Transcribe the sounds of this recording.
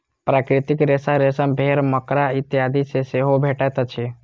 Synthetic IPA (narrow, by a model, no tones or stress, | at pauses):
pɾakɾit̪ikɾesaɾesəmbʱeɾməkɾait̪jad̪ʱiseseɦobʱeʈət̪ət͡ʃʰi